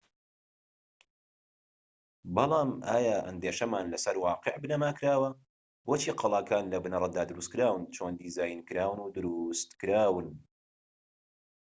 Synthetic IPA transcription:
bɑlˠɑːmʔaːjaːʔɐ̰nd̪eːʃɐmaːnlɐsɐɾwɑːqeʕbɨnɐmaːkʰɾaːwɐ | boːt͡ʃʰiːqʰɑlˠɑːkʰaːnlɐbɨnɐɾˤɑd̪aːd̪ɨɾust̪kɨɾaːwɨnt͡ʃʰoːnd̪iːzaːjinkɨɾaːwnud̪ʊɾust̪kɨɾaːwɨn

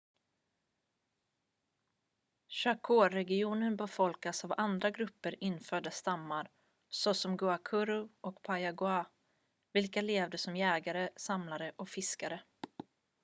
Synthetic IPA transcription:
ɕakʰoːɾɛɡɪuːnənbɛfɔlkasavand̪ɾaɡɾɵpːəɾɪnːfœːɖast̪amːaɾ | sɔsɔmɡɵakʰɵɾʊʔɔkpʰajaɡʊa | vɪlkaleːvd̪əsɔmjɛːɡaɾəsamlaɾəʔɔkfɪskaɾə

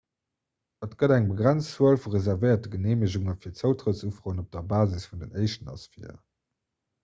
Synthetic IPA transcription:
ətɡ̥ədæŋbəɡʁænt͡st͡səəlfuʁezæʁvəɪɐt̚dəɡəneːməʑuŋəfiːɐtt͡səʊtʁəsufʀoːənop̚d̥ɐbaːzisfundənɜɪʃtənɑ̰sfḭ

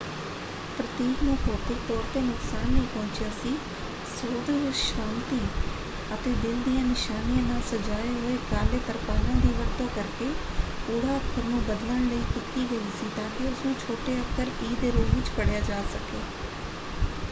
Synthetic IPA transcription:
pɾət̪iːknũːkʰoːkɪːt̪ɔːɾt̪eːnʊksaːnːəĩːpɔ̃ːt͡ʃjaːsiː | soːd̪ɦʊʃãːnt̪iː | ət̪eːd̪ɪld̪ijãːnɪʃaːnijãːnaːlsəd͡ʒaːeɦoːeːkaːleːt̪əɾpaːlãːd̪iːʋəɽt̪õːkəɾkeː | puːɽaːəkʰːəɾnũːbəd̪ləɳləiːkɪkiːɡəiːsiːt̪ãːkɪʊsnũːt͡ʃʰoːʈeːəkʰːəɾiːd̪eːɾoːlʋɪt͡ʃkəɽjaːd͡ʒaːsəkeː

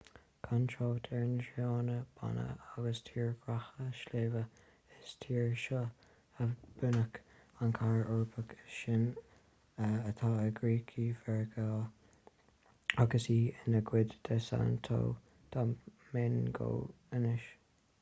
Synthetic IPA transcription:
kʰantʰɹoːt̪ʰɛɹnʃɑːnəb̥a̰nə̰aɡəstʰiːɹɡ̥ɹaxəʃleːvə | ɪstʰiːɹʃɔ | əb̥ʊnək | ankʰaɹɔɹbʰəkəʃɪn | əət̪ʰaːəɡɹiːkʰivɛɹɡʰa | aɡəsiːɪnəɡwɪd̪d̪̥ɛsa̰nt̪ʰo̰ː | t̪ʰamenɡo̰ː | ənɪʃ

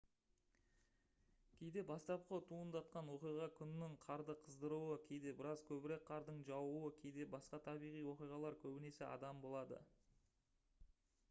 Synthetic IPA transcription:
kʲʰe̞jd̪e̞bɑst̪ɑp̚qət̪ʰuənd̪ɑt̪̚qɑnwo̞qijʁɑkʲʰʏnːɪɴqʰɑɾd̪əqʰəzd̪əɾuwəkʲʰe̞jd̪e̞bɪɾɑzkʲʰɵbɪɾe̞k̚qʰɑɾd̪əɴʒɑwuwəkʲʰe̞jd̪e̞bɑsqɑt̪ʰɑbijʁijwo̞qijʁɑlˠɑɾkʲʰɵbɪne̞sɪʔɑ̰d̪ɑmbo̞lˠɑd̪ə̰

